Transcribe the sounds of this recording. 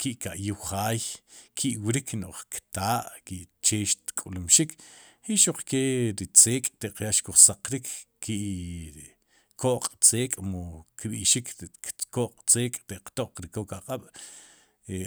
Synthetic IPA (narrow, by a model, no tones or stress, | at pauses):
kiʔkaʔjuwχaːjkʰiʔwɾiknoʔχkt̪aːʔkiʔt͡ʃeːʃt̪kʼulumʃik | hiʔʃoq͡χkeɾit͡seːkʼt̪eʔqjaʃkuχsaqɾikʰkiʔ | koʔqʼt͡seːkʼmokɓḭʔʃikʰkoʔqʼt͡seːkʼt̪eʔqt̪oʔq͡χɾikokaqʼaɓ̥ | e